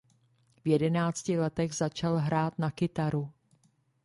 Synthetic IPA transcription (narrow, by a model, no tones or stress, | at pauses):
vjɛdɛnaːt͡scɪlɛt̪ɛɣzat͡ʃalɦɾaːt̪nakɪt̪aɾu